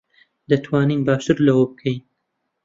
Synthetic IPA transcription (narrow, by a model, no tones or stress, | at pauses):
d̪ɐt̪ʰwaːniːnbaːʃt̪ɨɾlɐwɐbɨkʰɛjn